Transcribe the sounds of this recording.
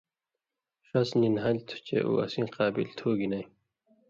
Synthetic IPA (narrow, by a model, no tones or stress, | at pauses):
ɕɐsninɦɐlt̪ʰu̥t͡ɕḛʔṵɐ̰sĩːqɑːbḭlt̪ʰoːɡinɐj